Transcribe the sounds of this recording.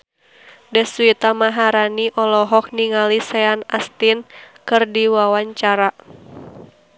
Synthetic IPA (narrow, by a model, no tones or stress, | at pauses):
dɛswit̪amaɦaɾaniʔɔlɔɦɔk̚niŋalisɛanast̪inkɨrdiwawaɲt͡ʃaɾa